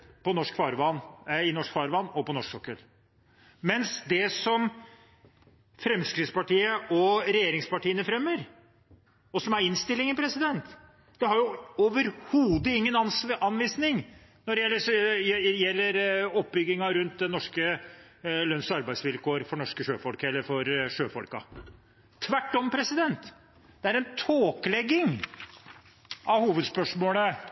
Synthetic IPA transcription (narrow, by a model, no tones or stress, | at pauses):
pɔnɔʂkfɑːɾʋɑnːɪnɔʂkfɑːɾʋɑnːɔpɔnɔʂksɔkːəl | mɛnsd̪ɛsɔm | fɾɛmskɾɪt̪spɑʈiːəʔɔɾɛjeːɾɪŋspɑʈiːənəfɾɛmːəɾ | ɔsɔmæɾɪnst̪ɪlːɪŋənpʰɾɛsɪd̪ɛnt̪ | d̪̥ɛhɑɾjʊoʋəɾhuːd̪əɪŋːənɑnsɑnʋiːsnɪŋ | nɔɖɛjɛlːə | jɛlːəɾɔp̚bʏɡːɪŋɑɾʉnt̪̚d̪ɛnɔʂkə | lœnsɑɾbæɪsʋɪlkʰoːɾfɔɳɔʂkəʂøːfɔlkəɛlːəɾfɔɾʂøːfɔlkɑ̰ | t̪ʰːʋæʈːɔmpʰɾɛsɪd̪ɛnt̪ | d̪̥ɛæɾɛnt̪ʰoːklɛɡːɪŋ | ʔɑʋhuːʋəd̪spœʂmoːlə